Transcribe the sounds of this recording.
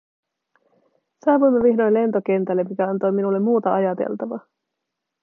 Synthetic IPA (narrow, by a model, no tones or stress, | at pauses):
sɑːʋujmːeʋiɦno̞jnle̞nt̪o̞ke̞nt̪ælːemːikæɑnt̪o̞jminulːe̞mːuːt̪ɑʔɑjɑt̪ḛlt̪ɑʋɑ̰